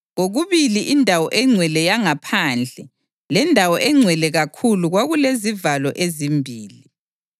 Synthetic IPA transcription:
ɣoɣuβiliʔindʱawɔʔɛŋ͡ǀʱwɛlɛjaŋapʰand͡ɮʱɛ | lɛndʱawɔʔɛŋ͡ǀʱwɛlɛɣakʰuluɣwaɣulezivalɔʔezimbʱiːli

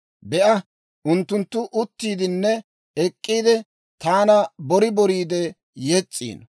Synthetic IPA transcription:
bɛʔɐ | ʔʊnt̪ːʊnt̪ːʊʔʊt̪ːiːd̪ɪnːɛ | ɛkʼːiːd̪ɪ | t̪aːnɐbɔɾɪbɔɾiːd̪ɛ | jɛt͡sʼːḭːn

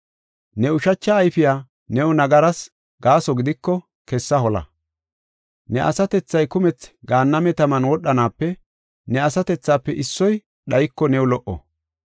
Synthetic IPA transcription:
nɛʊʃɐt͡ʃːɐːjfɪjaː | nɛwʊnɐɡɐɾɐs | ɡaːsɔɡɪd̪ɪkːɔ | kɛsːɐɦɔlɐ̰ | nɛʔɐ̰sɐt̪ɛt͡sːɐjkʊmɛt͡sɡaːnːɐmɛt̪ɐmɐnwɔɗːɐnaːpːɛ | nɛɐsɐt̪ɛt͡sːaːpːɛʔɪsːɔj | ɗɐjɪkːɔnɛwlɔʔɔ̰

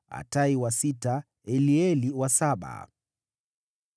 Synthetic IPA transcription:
a̰taiwasita | ɛliɛliwasaɓa̰

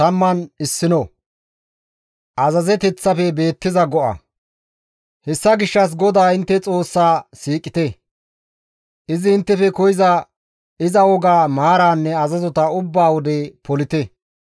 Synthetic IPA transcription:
t̪ɐmːɐnɪsːɪnɔ | ʔɐzɐzɛt̪ɛt͡sːɐfɛbe̞ːt̪ːɪzɐɡɔʔɐ̰ | hɛsːɐɡɪʃːɐs̬ɡɔd̪aːɪnt̪ːɛt͡sʼo̞ːsːaːsiːkʼɪt̪ɛ | ʔɪzɪɪnt̪ːɛfɛkɔjɪzɐ | ɪzɐwɔɡaːmaːɾaːnːɛɐzɐzɔt̪ɐʊbːaːwɔd̪ɛpɔlɪt̪ɛ

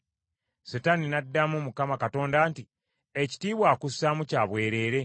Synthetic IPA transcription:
setaninadːamumukamakato̞ːndaːnti | eci̥tiːβwaːkusamucaːβwe̞ːɾe̞ːɾe̞

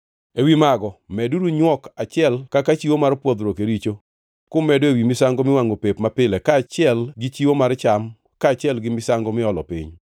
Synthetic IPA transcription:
ewimaɡɔmɛduduɲwɔkat͡ʃɪɛlkakat͡ʃiwomarpwod̪ɾokeɾit͡ʃo | kʊmɛdoewimɪsaŋɡomɪwaŋopepmapɪlɛkaːt͡ʃɪɛlɡɪt͡ʃiwomart͡ʃam | kaːt͡ʃɪɛlɡɪmɪsaŋɡomɪɔlɔpɪ̰ɲ

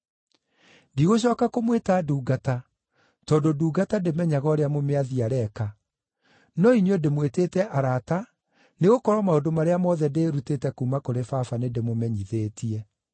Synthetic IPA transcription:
diɣoɕ̬ɔːkakomwetaːduːɡata | tɔːndoduːɡatademɛɲaɣɔɾeamomeaðiaɾɛka | nɔinjɔdemweteːtɛʔaɾata | neɣokɔɾwamaodomaɾeamɔðɛdeːɾutetɛkuːmakoɾefafanedemomɛɲiðeːtʰiɛ

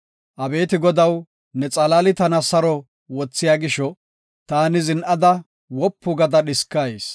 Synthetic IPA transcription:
ʔɐbe̞ːt̪ɪɡɔd̪ɐw | nɛt͡sʼɐlaːlɪt̪ɐnɐsɐɾɔ | wɔt͡sːɪjaːɡɪʃɔ | t̪aːnɪzɪnʔɐd̪ɐ | wɔpːʊɡɐd̪ɐɗɪskːajes

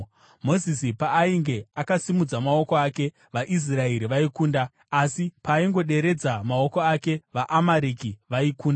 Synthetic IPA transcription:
mo̞zisipaːiŋɡe̞akasimud͡zamao̞koake̞ | ʋaʔis̬raeɾiʋaikuːnda | asipaːiŋɡo̞ɗe̞ɾe̞d͡zamao̞ko̞ake̞ʋaʔamaɾikiʋaikuːnda

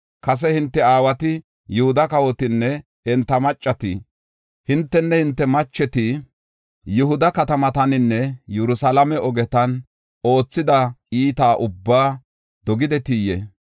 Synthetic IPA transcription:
kɐs̬ɛhɪnt̪ːɛaːwɐt̪ɪ | jʊhʊd̪ɐkɐwɔt̪ɪnːɛ | ɛnt̪ːɐmɐt͡ʃʼːɐt̪ɪ | hɪnt̪ːɛnːɛhɪnt̪ːɛmɐt͡ʃːɛt̪ɪ | jɪhʊd̪ɐkɐt̪ɐmɐt̪ɐnɪnːɛjɛɾʊsɐlɐmɛɔɡɛt̪ɐn | o̞ːt͡sːɪd̪ɐiːt̪aːʔʊbːaː | d̪̥ɔɡɪd̪ɛt̪ijɛ̰

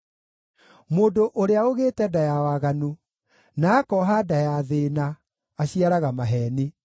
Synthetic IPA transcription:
moːndoʔoɾeaoɣeːtɛdajawaɣanu | naːkɔɦadajaðena | aɕiaɾaɣamaɦɛːne

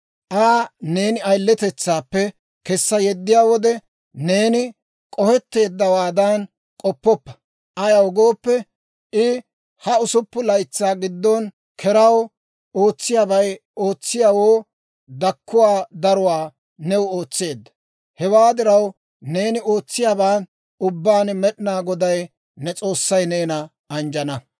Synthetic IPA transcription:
ʔaːne̞ːnɪɐjlːɛt̪ɛt͡sːaːpːɛ | kɛsːɐjɛd̪ːɪjaːwɔd̪ɛ | ne̞ːnɪ | kʼɔfɛt̪ːe̞ːd̪ːɐwaːd̪ɐn | kʼɔpːɔpːɐ̥ | ʔɐjɐwɡoːpːɛ | ʔɪ | hɐʊsʊpːʊlɐjt͡sːaːɡɪd̪ːɔn | kʰɛɾɐw | o̞ːt͡sːɪjaːbɐjo̞ːt͡sːɪjawoː | d̪ɐkːʊwaːd̪ɐɾʊwaː | nɛwo̞ːt͡sːe̞ːd̪ːɐ̥ | hɛwaːd̪ɪɾɐw | ne̞ːnɪo̞ːt͡sːɪjaːbaːn | ʊbːaːnmɛɗɪnaːɡɔd̪ɐj | nɛt͡sʼo̞ːsːɐjne̞ːnɐ | ɐnd͡ʒɐnɐ

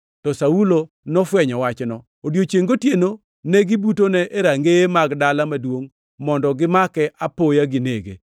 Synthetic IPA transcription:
tɔsaulo | nɔfwɛɲɔwat͡ʃnɔ | odjot͡ʃeŋɡotjeno | neɡɪbutonɛʔeɾaŋɡemaɡdalamadwoŋ | mɔndɔɡɪmakɛʔapojaɡɪnḛɡḛ

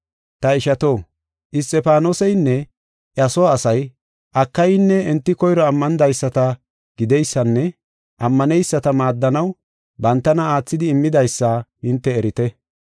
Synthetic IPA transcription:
t̪ɐɪʃɐt̪o̞ː | ʔɪs̬t̪ʼːɛpaːnosɛjnːɛ | ʔɐsɔwaːsɐj | ʔɐkːɐjɪnːɛɛnt̪ːɪkɔjɾɔɐmːɐnd̪ɐjsːɐt̪ɐ | ɡ̥ɪd̪ɛjsːɐnːɛ | ʔɐmːɐnɛjsːɐt̪ɐmaːd̪ːɐnɐw | bɐnt̪ːɐnɐaːt͡sːɪd̪ɪːmːɪd̪ɐjsːahɪnt̪ːɛːɾɪt̪ɛ

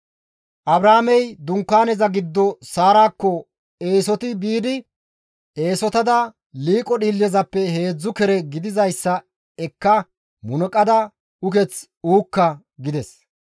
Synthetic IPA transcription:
ʔɐbɾaːmɛjd̪ʊŋkːaːnɛzɐɡɪd̪ːɔsaːɾaːkːɔ | e̞ːsɔt̪ɪbiːd̪ɪ | e̞ːsɔt̪ɐd̪ɐ | liːkʼɔɗiːlːɛzɐpːɛɦe̞ːd͡zːʊkɛɾɛɡɪd̪ɪzɐjsːɐ | ɛkːɐ | mʊnɔkʼɐd̪ɐ | ʊkɛt͡s | uːkːɐ | ɡɪd̪ɛs

